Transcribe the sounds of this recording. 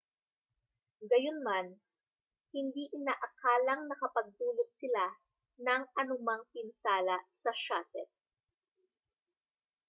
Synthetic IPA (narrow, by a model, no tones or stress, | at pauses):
ɡɐjonman | hɪnd̪iʔɪnaːʔɐkaːlɐŋnɐkɐpɐɡ̚t̪uːlot̪̚sɪla | nɐŋʔɐnʊmaŋpɪnsaːlɐsɐʃat̪ɛt̪̚